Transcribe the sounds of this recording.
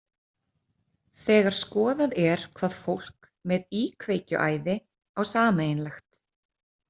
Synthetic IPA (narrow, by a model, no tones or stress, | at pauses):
θɛːɣaɾ̥skɔːðaðɛɾ̥kʰvaːð̥fowl̥k | mɛðiːkʰveːjcʏ̰ʔaːjðɪ | awsaːmeːjnlaxt̪